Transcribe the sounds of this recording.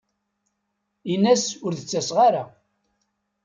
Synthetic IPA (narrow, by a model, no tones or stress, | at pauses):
inːæsʊɾðət͡sːæsʁaɾa